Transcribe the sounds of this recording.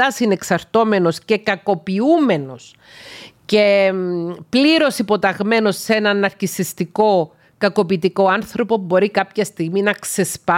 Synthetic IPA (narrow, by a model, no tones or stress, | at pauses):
ɐsine̞ksɐɾt̪o̞me̞no̞sce̞kɐko̞piume̞no̞s | ce̞ | pliɾo̞sipo̞t̪ɐɣme̞no̞sːenɐnɐɾcisist̪iko̞ | kɐko̞pit̪iko̞ɐnθɾo̞po̞bo̞ɾikɐpçɐst̪iɣminɐkse̞spɐ